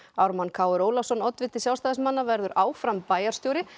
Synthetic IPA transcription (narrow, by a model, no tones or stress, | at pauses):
awɾmankʰaːwʏɾoːwlasɔnɔt̪vɪt̪ːɪsjawst̪aːðɪsmanːavɛɾðʏɾʔaːwfɾampaːjaɾ̥st̪jowɾɪ